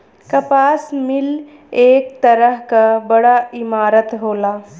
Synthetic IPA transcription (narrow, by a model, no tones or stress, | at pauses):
kɐpaːsmɪl | eːk̚t̪əɾəɦkabəɽaimaːɾət̪ɦoːlaː